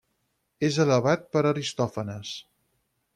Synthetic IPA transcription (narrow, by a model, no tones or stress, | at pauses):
ezələβat̪̚pəɾəɾist̪ɔfənəs